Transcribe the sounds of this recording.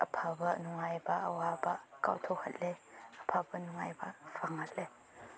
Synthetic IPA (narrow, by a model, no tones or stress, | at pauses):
ʔəpʰabaʔnuŋajbaʔəwabaka̰wtʰɔhat̪̚lɛəpʰabanuŋajbafaŋhat̪̚le